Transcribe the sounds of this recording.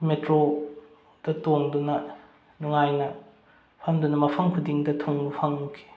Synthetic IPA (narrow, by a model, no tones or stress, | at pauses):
metɾo | d̥ɐtoŋdunɐ | nuŋajnɐ | pʰɐmdunɐmɐpʰɐŋkʰudiŋdɐtʰoŋbɐpʰɐŋkʰi̥